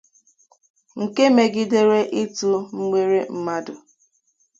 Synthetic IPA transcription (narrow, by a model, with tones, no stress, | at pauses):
ŋ̩˨ke˦me˨ɡi˦de˦ɾe˦ʔi˦tu˦m̩˦mʷe˦ɾe˦m̩˦ma˦dʊ˨